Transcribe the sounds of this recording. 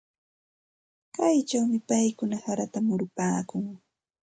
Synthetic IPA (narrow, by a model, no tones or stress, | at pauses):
kajt͡ʃawmɪpajkʊnahaɾat̪amʊɾʊpaːkʊŋ